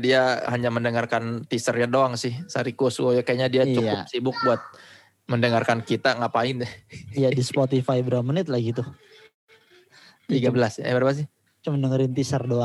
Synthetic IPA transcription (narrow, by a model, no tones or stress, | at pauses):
diahaɲaməndəŋarkant̪isərjadoaŋsɪhsaɾikusuwojakajaɲadiat͡ʃukʊpsibʊk̚buat̪̚ | məndəŋarkankit̪aŋapaɪnjadispot̪ifajbəɾapamənɪt̪̚laɡit̪ʊ | t̪iɡabəlasɛbaɾbasɪh | t͡ʃuməndəŋəɾɪnt̪isərdoa